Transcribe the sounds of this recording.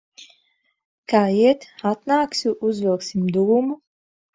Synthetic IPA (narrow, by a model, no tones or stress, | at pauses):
kaːiɛt̪at̪naːksʲuʔuzvɛlˠksimd̪uvumu